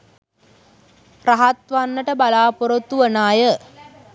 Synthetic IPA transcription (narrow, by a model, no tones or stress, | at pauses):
raɦat̪ʋanːəʈəbalaːpoɾot̪ːuʋənaːjə